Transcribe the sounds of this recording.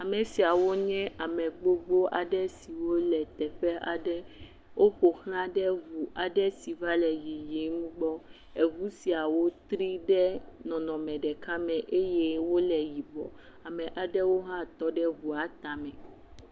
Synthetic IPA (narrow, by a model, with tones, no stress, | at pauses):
a˨mɛ̃˨si˨a˨wo˦ɲɛ̃˦a˨mɛ̃˨ɡ͡bo˦ɡ͡bo˦ʔa˨ɖɛ˦si˨wo˦lɛ˨t̪ɛ˨ɸɛ˦ʔa̰˨ɖɛ˦ | wʔo˦ɸo˨xl̃ã˦ɖɛ˦vu˨a˨ɖɛ˦si˨va˦lɛ˨ji˨je˨˦ŋũ˦ɡ͡bɔ˦ | e˨vu˦si˨a˨wo˦t̪ɾi˦ɖɛ˦nɔ̃˨nɔ̃˨mɛ̃˨ɖɛ˨ka˦mɛ̃˨ʔe˦je˦wo˦lɛ˨ji˨bɔ̰˨ | a˨mɛ̃˨ʔa˨ɖɛ˦wo˦ɦã˦t̪ɔ˦ɖɛ˦vu˨a˨t̪a˨mɛ̃˨